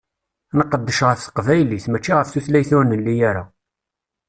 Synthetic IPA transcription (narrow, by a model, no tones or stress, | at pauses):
nəqːəd̪ːəʃʁəfθə̥qvæjliθmæt͡ʃːiʁəfθuθlæjθunəlːijæɾa̰